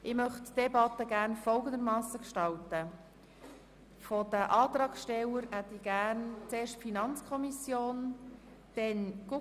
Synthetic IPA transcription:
ɪmœχd̥ɛbɑtəɡæɾnfɔlɡənd̪əɾmɑːsəkʃtɑltə | fɔd̥əʔɑːt̪ɾɑːkʃtɛləɾhɛt̪ɪɡ̥ærnt͡seːɾʃtfinɑnt͡skʰɔmisjoːn | d̥ɛnɡ̥u

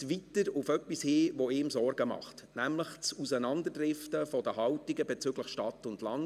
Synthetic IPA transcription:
ʋitəɾʊfœpːishɪːʋɔɪːmsɔɾɡəmɑ̰χtnæmləχt͡susənɑndəɾdɾɪftəfɔd̥əɦɑwtiɡəbɛt͡syɡləχʃtɑtʊndlɑŋ

